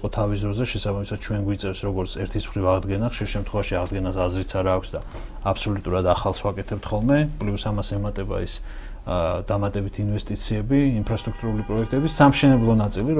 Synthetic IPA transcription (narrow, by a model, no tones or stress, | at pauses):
qʼɔt̪ʰavis̬d̪ɾɔzɛʃɛsabamisad̪̥̚t͡ʃʰwɛnɡwit̪sʼɛfsɾɔɡɔɾt̪sʰɛɾt̪ʰisχɾivaʁd̪ɡɛnaχʃiɾʃɛmt̪ʰχwɛvaʃiaʁd̪ɡɛnasazɾit̪sʰaɾaːkʷʰsd̪a | apʰsɔlut̪ʼuɾad̪aχalˠswakʼɛt̪ʰɛp̚t̪ʰχɔlˠmɛpʼliusamasɛmat̪ʼɛba̰is | d̪̥amat̪ʼɛbit̪ʰinvɛst̪ʼit̪sʰiɛbiinpʰɾast̪ʼɾukʰt̪ʼuɾulipʼɾɔɛkʰt̪ʼɛbisamʃɛnɛblˠɔnat̪sʼiliɾ